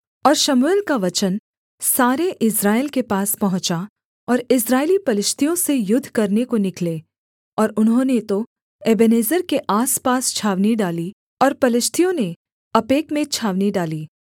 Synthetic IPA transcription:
ɔːɾʃɐmulkaʋɐt͡ʃən | saːɾeʔɪsɾaːelkepaːspɐɦʊ̃t͡ʃa | ɔːɾɪsɾaːelipɐlɪʃt̪ʰijõsejʊd̪ʱːkɐɾnekonɪkle | ɔːɾʊnɦõːnet̪o | eːbeneːzəɾkeʔaːspaːst͡ʃʰaːʋniɖaːli | ɔːɾpɐlɪʃt̪ʰijõne | ɐpeːkmẽt͡ʃʰaːʋniɖaːliː

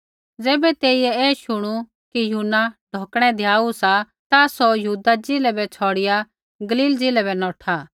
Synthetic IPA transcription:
d͡zɛːbɛt̪eːijɛɛːʃʊɽ̃u | kijuːnaɖʱoːkɽ̃ɛ̃d̪ʱjaːusa | t̪asɔjɐɦuːd̪ad͡zɪlɛbɛt͡sʰɔːɽɪja | ɡɐliːld͡zɪlɛbɛnɔːʈʰaː

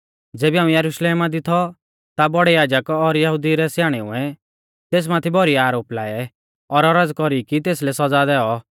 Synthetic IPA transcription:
d͡zeːbiaːũjɐɾʊʃleːmad̪ɪt̪ʰɔ | t̪abɔɽɛjaːd͡ʒəkɔɾjɐɦʊd̪iɾɛsjaːɽ̃eʊ̰ɛ̃ | t̪eːs̬mãt̪ʰibɔɾiaːɾoːplaːɛ | ɔɾɔɾəd͡zkɔɾikit̪̬eːslɛsɔd͡zad̪ɛːɔ

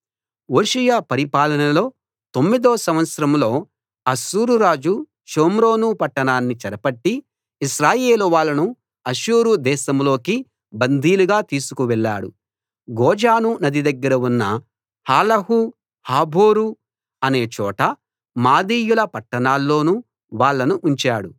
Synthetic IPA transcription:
oːʃijaːpɐɾipaːlɐnɐlo̞ː | t̪o̞mːid̪oːsɐmʋɐt̪sɐɾɐmlo̞ː | ɐʃuːɾuɾaːd͡ʒu | ʃoːmɾoːnupɐʈːɐɳaːnːit͡ʃɐɾɐpɐʈːiː | ʃɾaːjeːluʋaːɭːɐnu | ɐʃuːɾud̪ɛːʃɐmlo̞ːki | bɐnd̪ʱiːluɡaːt̪iːsu̥kuʋɛɭːa̰ːɽṵ | ɡɔːd͡ʒaːnunɐd̪id̪ɐɡːɐɾɐunːɐ | haːlɐɦu | haːbʱo̞ːɾu | ɐne̞ːt͡ʃɔːʈɐ | maːd̪iːjulɐpɐʈːɐɳaːlːo̞ːnu | ʋaːɭːɐnuʔuɲt͡ʃaːɽu

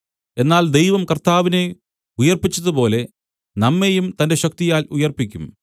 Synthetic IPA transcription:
e̞nːaːld̪ejʋɐmkɐrt̪aːʋine̞ | ujɐrpit͡ɕːɐðupo̞ːle̞ | nɐmːejumt̪ɐnde̞ɕɐk̚t̪ijaːlujɐrpikʲːum

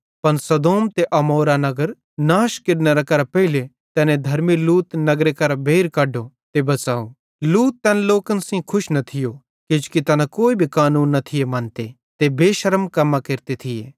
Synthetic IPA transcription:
pɐnsɐd̪oːmt̪eʔɐmoːɾanɐɡəɾ | naːʃkɪɖneɾɐkɐɾapɐɦile | t̪ɛːnẽd̪ʱɐɾmiluːt̪nɐɡɾekɐɾabʱeːɾkɐɖːo | t̪ebɐt͡saːo | luːt̪ːɛːnloːkənsĩkʰʊʃnɐt̪ʰɪjo | ked͡ʒkit̪ɐnãkoːibʱikaːnuːnːɐt̪ʰɪjemɐ̃nt̪e | t̪ebeːʃɐɾəmkɐmːakeɾt̪et̪ʰɪjḛː

